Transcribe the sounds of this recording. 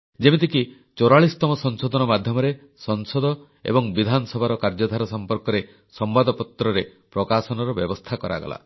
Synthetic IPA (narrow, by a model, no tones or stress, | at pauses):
d͡ʒemet̪̬iki | t͡ʃoɾaɭist̪ɔmɔsɔŋsod̪ɔnɔmad̪ʱjɔmɔɾe | sɔŋsɔd̪ɔ | ḛbɔŋbid̪ʱanɔsɔbʱaɾɔkaɾd͡ʒɔd̪ʱaɾɔsɔmpɔɾkɔɾe | sɔmbad̪ɔpɔt̪ɾɔɾe | pɾɔkasɔnɔɾɔbjɔbɔst̪ʰakɔɾa̰ɡɔ̰la̰